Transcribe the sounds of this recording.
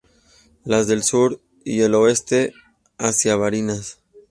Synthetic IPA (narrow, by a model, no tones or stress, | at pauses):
lazðe̞lsuɾ | ḭe̞lo̞e̞st̪e̞ | asjaβaɾinas